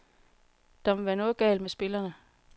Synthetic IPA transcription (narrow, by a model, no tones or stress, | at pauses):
d̥ɑmʋæɐnoðˠɡ̥ɛ̰ːlmesb̥e̝lɐnə